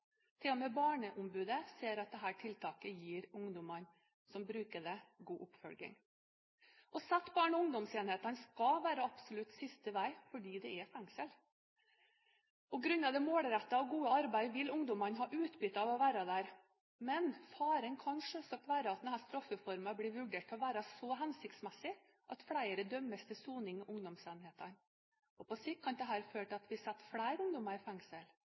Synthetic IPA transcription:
t̪ʰɪlɔmɛbɑːɳəʔʊmbʉːd̪əseːɾɑt̪̚d̪ɛɦæːʈʰɪlt̪ʰɑːkəjiːɾʊŋd̪ʊmɑn | sɔmbɾʉːkəɖɛɡuːʔʊpfɔlɡɪ̰ŋ | ʔɔsæt̪ːbɑːɳɔʊŋd̪ɔmseːnheːt̪ɑnskɑʋæːɾəɑbsʊlʉt̪sɪst̪əʋæɪfɔɖiːd̪ɛɛfæŋsəl | pɔɡɾʉnːɑʋd̪ɛmoːlɾæt̪ːɑɔɡuːəɑɾbæɪʋɪlʊŋd̪ɔmɑnɦɑːʔʉːt̪bʏt̪ːɑʋɔʋæːɾɑd̪æːɾ | mɛnfɑːɾənkʰɑnʂøsɔk̪ʋæːɾəɑt̪d̪ɛnhæːst̪ɾɑfːəfɔɾmɑbliːʋʉɖeːʈɔʋæːɾɑsɔɦɛnsɪkt̪smɛsɪ | ʔɑt̪fɽæɪəɾəd̪œmːəst̪ʰɪsuːnɪŋɪʔʊŋd̪ɔmsɛnheːt̪ɑn | ɔpʰɔsɪkʰːɑnd̪ɛɦæːɾføːʈəɑt̪ʋɪsɛt̪ːfɽæɪɾʊŋd̪ɔmɑɾɪfæŋsəl

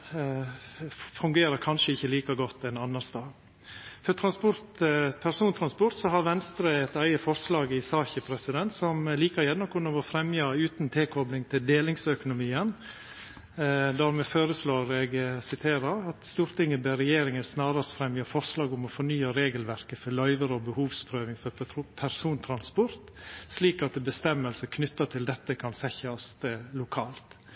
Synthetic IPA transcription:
fʉŋɡeːɾəɾkʰɑnʂəɪçːəliːkɑɡɔt̪ːɛnɑnːɑst̪ɑː | fœɾt̪ʰɾɑnspʊɾt̪pʰæɾsuːnt̪ʰɾɑnspʊɾt̪sɔɦɑɾʋɛnst̪ɾəɛt̪æɪəfɔɾslɑːɡɪsɑːçəpʰɾɛsɪd̪ɛnt̪sɔmliːkəɾjɛnːɔkʰʊnɔʋɔfɾɛmjɑʉːt̪nt̪ʰeːkʰɔblɪŋt̪ʰɪld̪eːlɪŋsœkʊnʊmiːən | d̪æːɾmɛføːɾəsloːɾɛɡsɪt̪ʰeːɾəɾɑt̪st̪uːɾt̪ɪŋːəbɛɾɛjeːɾɪŋəsnɑːɾəsfɾɛmjɑfɔɾʂlɑːɡʊmɔfɔɳyːɑɾeːɡəlʋæɾkəfɔɭɑʏʋəɾəɔbəhuːʋspʰɾøːʋɪŋfɔɾpʰæɾsuːnt̪ʰɾɑnspɔɾt̪sliːkɑt̪̚d̪ɛbəst̪ɛmːəlsəkʰnʏt̪ːɑt̪ʰɪld̪ɛt̪ːəkʰɑnsɛçəɑst̪lʊkʰɑːlt̪

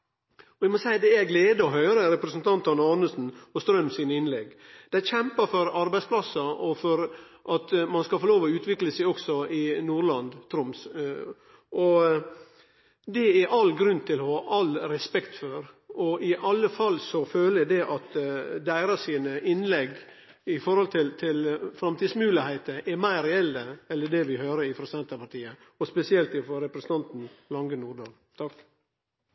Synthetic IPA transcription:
ɔɛɪmɔsæɪd̪ɛæɾɡleːd̪əɔɦœʏɾəɾɛpɾəsənt̪ʰɑnt̪ʰɑnːɑːnəsn̩ɔst̪ɾœmːsiːnəɪnlɛɡd̪̥ɛçɛmpəfɔɾɑɾbæɪspʰlɑsːɑɔfɔɾʔɑt̪mɑnskɑfoːloːʋɔʉːt̪ʰʋɪkləsæɪɔksɔɪnuːɾɭɑnd̪t̪ʰɾʊms | ʔɔ | d̪ɛæɾʔɑlɡɾʉnt̪ʰɪlɔhɑʔɑlɾɛspɛkt̪fɔɾɔʔɪʔɑlːəfɑlsɔføːləæd̪ɛʔɑt̪d̪æɪɾɑsiːnəʔɪnlɛɡ | ɪfɔɾhɔlt̪ʰɪlt̪ʰɪlfɾɑmt̪iːdsmʉːlɪhæɪt̪əʔɛɾmæɪɾɛɛlːəɛlːəɖɛʋɪhøːɾəɾɪfɾɑsɛnt̪əpɑʈʰiːə | ɔspɛsɪɛlt̪ɪfɾɔɾɛpɾəsən̩t̪ɑnt̪n̩lɑŋɡənuːɾɖ̪ɑːl | t̪ʰɑk

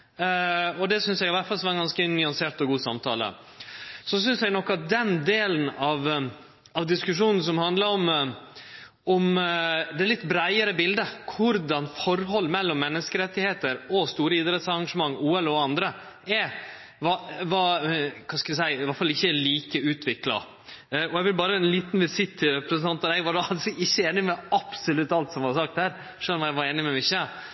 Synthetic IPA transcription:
ɔd̪ɛsʏnsjɛɡɪʋæʈfɑlsʋɑɾɛnɡɑnskənʏɑnseːʈ̪ɔɡuːsɑ̰mt̪ʰɑ̰ːlə̰ | sɔsʏnsjɛɡnɔkːɑt̪̚d̪ɛnd̪eːln̩ɑʋ | ɑʋd̪ɪskʉʂuːnn̩s̬ɔmhɑnd̪ləɾɔm | ɔmd̪ɛlɪt̪ːbɾæɪəɾəbɪld̪əkʰʊɾd̪ɑnfɔɾɦɔlːmɛlːɔmːɛnːəskəɾɛt̪ːɪheːt̪əɾɔst̪uːɾəɪd̪ɾɛt̪sɑɾɑŋʂəmɑŋːuːɛlɔɑnd̪ɾə | ɛ | ʋɑʋɑkʰɑskɑʋ̪əs̬æɪɪʋɑʈfɑlɪçːəliːkəʉːt̪ʰʋɪklɑ̰ | ɔɛɡʋɪlbɑːɾəɛnliːt̪nʋɪsɪt̪ʰːɪɾɛpɾəsənt̪ʰɑnt̪ɑd̪ɛɡʋɑɾɑlsɪçːəeːnɪmɛɑpsʊlʉt̪ːɑlt̪sɔmʋɑɾsɑk̚t̪hæːɾ | ʂœlmæɪʋɑɾeːnɪmɛmɪʂə

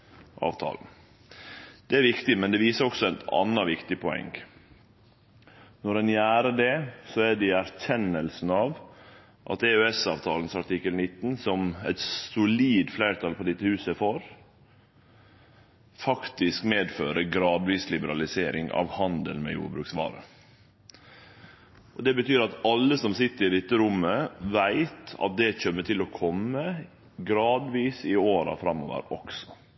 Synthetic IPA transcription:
ʔɑ̰ːʋt̪ʰɑ̰ːln̩ | d̪̥ɛæɾʋɪkt̪ɪmɛnd̪ɛʋiːsəɾɔksɔɛt̪ɑ̰nːɑʋɪkt̪ɪpʰɔɛ̰ŋː | nɔɾɛnjæːɾəɖɛsɔæɖɛæɾçɛnːəlsn̩ɑʋ | ʔɑ̰t̪ɛøɛsɑːʋt̪ʰɑːln̩sɑʈɪkəlnɪt̪ːnsɔmɛ̰t̪sʊliːd̪flæːɾt̪ʰɑːlpʰɔd̪ɪt̪ːəhʉːsəfoɾ | fɑkt̪ɪskmeːd̪føːɾəɡɾɑːd̪ʋiːslɪbəɾɑlɪseːɾɪ̰ŋɑ̰ʋhɑnd̪əlmɛ̰jṵːɾbɾʉːksʋɑ̰ːɾə̰ | ʔɔd̪ɛbət̪ʰyːɾɑt̪ɑlːəsɔmsɪt̪ːəɾɪd̪ɛt̪ːəɾʊmːəʋæɪt̪ɑ̰t̪̚d̪ɛt͡ʃœmːəʈʰɪlɔkʰɔmːə | ɡɾɑːd̪ʋiːsɪoːɾɑ̰fɾɑmːoːʋə̰ɾɔksɔ̥

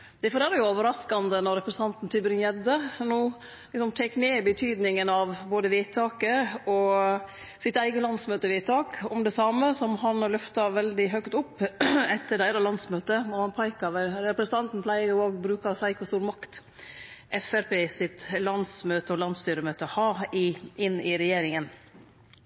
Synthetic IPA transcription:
d̪ɛfɔɾɛːɾəjʊoːʋəɾɑskɑnd̪ənɔɾɛpɾəsn̩ɑnt̪n̩t̪ʰybɾɪŋjɛd̪ənuː | lɪksɔmt̪ʰɛkːneːbət̪ʰyːd̪nɪŋənɑʋboːd̪əʋiɪt̪ʰɑːkəɔ | sɪt̪æɪɡəlɑnsmøːt̪əʋiɪt̪ʰɑːkɔmd̪ɛsɑməsɔmɦɑnlœft̪ɑʋɛld̪ɪɦœkt̪ʊpːɛt̪ʰːəɖæɪɾɑlɑnsmøːt̪ənɔhɑnpʰɑɪkɑʋɛɾɾɛpɾəsənt̪ɑnt̪n̩plæɪəɾjʊoːɡbɾʉːkɑsæɪkfɔst̪uːɾmɑkt̪ | ʔɛfæɾpeːsɪt̪lɑnsmøːt̪əɔlɑnst̪yːɾəmøːt̪əhɑːɪɪnːɪɾɛjeːɾɪŋən

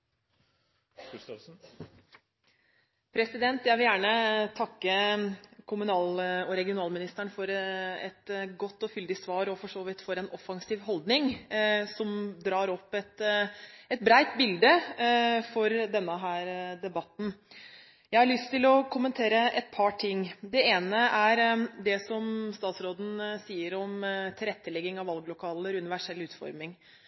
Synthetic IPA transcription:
pʰɾɛsɪd̪ɛnt̪jæɪʋɪljæːɳət̪ʰɑkːəkʰʊmʉnɑːlɔɾɛɡɪʊnɑːlmɪnɪst̪æɳfɔɾɛt̪ɡɔt̪ːɔfʏld̪ɪsʋɑːɾɔfɔʂoːʋɪt̪fɔɾɛnɔfɑŋsiːʋɦɔld̪nɪŋsɔmd̪ɾɑːɾɔpːɛt̪ | ɛt̪̚bɾæɪt̪bɪld̪ə | fɔɾd̪ɛnːəɦæːɾd̪ɛbɑt̪n̩ | jæɪhɑɭʏst̪ʰɪlɔkʰʊmənt̪ʰeːɾəʔɛt̪̚pʰɑʈʰɪŋːd̪ɛeːnəʔæɾd̪ɛsɔmst̪ɑːt̪sɾoːd̪n̩siːəɾɔmt̪ʰɪlɾɛt̪ʰːəlɛɡɪŋɑʋɑlɡlʊkʰɑːləɾʉnɪʋæʂɛlːʉːt̪fɔ̰ɾmɪŋ

